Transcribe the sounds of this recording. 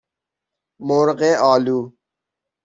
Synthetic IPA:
moːɾqeːʔaːluː

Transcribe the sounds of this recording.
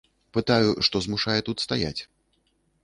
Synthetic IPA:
pɨt̪ajuʂt̪ɔzmuʂajɛt̪ut̪st̪aja̰t͡sʲ

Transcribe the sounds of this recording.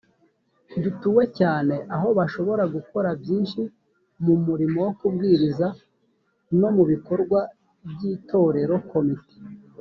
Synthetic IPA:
dutuːwe̞caːne̞ʔaɦo̞βaʃo̞βo̞ɾaɡuko̞ɾabɟiːnʃi | mumuɾimo̞wokubɡiːɾiza | no̞muβiko̞ɾɡwa | bɟiːtʰo̞ɾe̞ɾo̞ko̞mite̥

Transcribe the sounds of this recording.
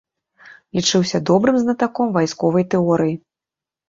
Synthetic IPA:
lʲit͡ʂɨwsʲɐd̪ɔbɾɨmznɐt̪akɔmvajskɔvɐjt̪ɛɔɾɨji

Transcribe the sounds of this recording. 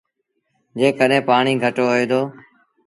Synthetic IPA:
d͡ʒeːkəɗɦẽːpaːɳiːɡʱəʈoːəːd̪oː

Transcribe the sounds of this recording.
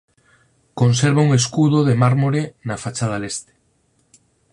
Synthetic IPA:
konseɾβauŋeskuðoðemaɾmoɾenafat͡ʃað̞alest̪e̥

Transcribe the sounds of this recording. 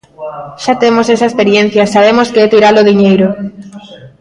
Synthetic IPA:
ʃat̪emosesaespeɾien̟θjɐsaβemoskeɛt̪iɾaloðiɲejɾo

